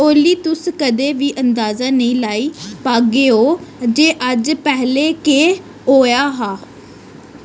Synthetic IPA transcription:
oːliːt̪ʊskəd̪eːʋiːʔənd̪aːzaːnəĩːlaːiːpaːɡeːoːd͡ʒeːʔəd͡ʒpɛɦleːkeː | ɦoːjaːɦaː

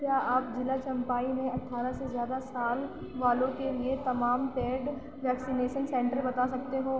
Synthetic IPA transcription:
kjaːaːpzɪlat͡ʃɐ̃mpaːimẽɐʈʰːaːɾasezjaːd̪asaːl | ʋaːlõkeliet̪ɐmaːmʈeːɖ | ʋɛːksineːʃənsẽːɳʈəɾbɐt̪asɐk̚t̪eɦoː

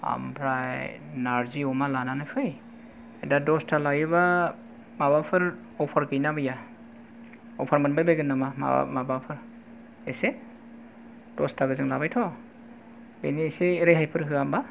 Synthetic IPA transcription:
a̰mpʰɾajnaɾziɔmalananajpʰɯj | edadɔstʰalajɯβa | mabapʰɯɾ | ɔpʰaɾɡɯjnabɯja | ɔpʰaɾmanbajbajɡɯnːamama̰a̰mabapʰɯɾ | ese | d̥ɔstʰaɡɯzɯŋlabajtʰɔ | beniseːɾejɦajpʰɯɾɦɯamba

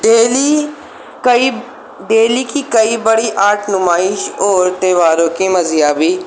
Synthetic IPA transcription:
eːli | ki | ɖeːliːkiːkəiːbəɽiːʔaːɾʈʰnʊmaːɪʃoːɾt̪eːʋaːɾõːkiːməzijaːbiː

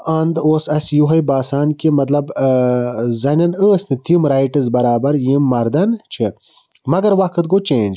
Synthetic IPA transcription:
ɐnd̪oːsɐsjuɦɐjbaːsaːnkimɐt̪lɐb | zɐnʲɐnəːsnit̪imɾaːjʈɐzbɐɾaːbɐɾjimːɐɾd̪ɐnt͡ʃʰi | mɐɡɐɾʋakʰɨt̪̚ɡot͡ʃẽːnʲd͡ʒ

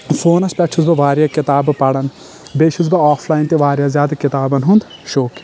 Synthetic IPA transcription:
foːnɐspʲɛʈʰuzbɐʋaːɾjakɪt̪aːbpɐɽɐn | beːʃʰuzbɐaːpʰlaːint̪iʋaːɾjaːzʲjaːd̪ɐkɪt̪aːbɐnɦund̪ | ʃoːk

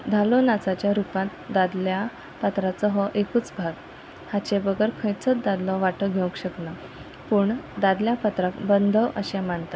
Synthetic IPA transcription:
d̪ʱalɔnat͡sat͡ɕjaɾupãt̪̚d̪ad̪lja | pat̪ɾat͡sɔɦɔʔekuːt͡sbʱaɡ | hat͡ɕebəɡəɾkʰə̃jt͡sət̪d̪ad̪lɔʋaʈəɡʱew̃kɕəkna | puːɳd̪ad̪ljapat̪ɾakbənd̪ʱəʔəɕamaɳt̪a

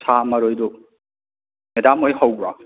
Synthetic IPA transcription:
sʰamɐɾojdu | medamojɦawbɾa

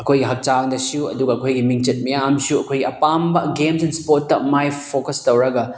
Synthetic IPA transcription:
ɐkʰojɡiɦɐk̚t͡ʃaŋdɐsiuɐ̰duɡɐːkʰojɡimiŋt͡ʃɐt̚mijaːmsuɐkʰojɡiʔɐpambɐɡemsenspot̚ːɐ̰majpʰokɐstɐwɾɐɡɐ

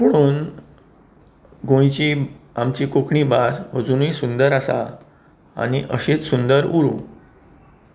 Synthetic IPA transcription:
məɽ̃uːn | ɡʱõjt͡ɕiamt͡ɕikokɳiːbasʋəd͡zunisund̪əɾasa̰ | a̰ɽ̃iʔəɕet͡ssund̪əɾuɾũ

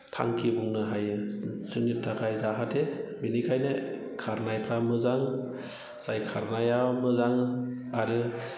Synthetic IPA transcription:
tʰa̰ŋkʰibuŋnɯɦajɯsɯŋitʰːaɡajzaɦatʰebinikʰajnɯkʰaɾnajpʰɾamɯzaŋ | z̥ajkʰaɾnajamɯzaŋaɾɯ

